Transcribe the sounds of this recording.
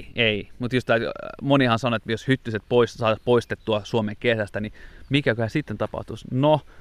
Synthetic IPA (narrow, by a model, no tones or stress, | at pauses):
eimut̪jost̪ɑmonihɑnsɑnoet̪joshyt̪ːyset̪̚poissɑːt̪ɑspoist̪et̪ːuɑsuomeŋkesæst̪ænimikækøhæsit̪ːent̪ɑpɑ̰ht̪usno